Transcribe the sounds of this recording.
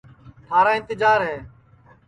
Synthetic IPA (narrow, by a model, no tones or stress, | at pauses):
t̪ʰaːɾaːɪ̃nt̪ɪd͡ʒaːɾɦɛː